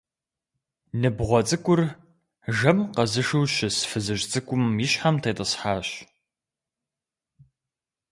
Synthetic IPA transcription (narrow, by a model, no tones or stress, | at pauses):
nɨbʁʷɔt͡sʼɨkʷʼʊr | ʒɐmqɐzɨʂɨwɕɪsfɨzɨʒt͡sʼɨkʷʼʊmjɪɕħamtʰeːtʼəsħaːɕ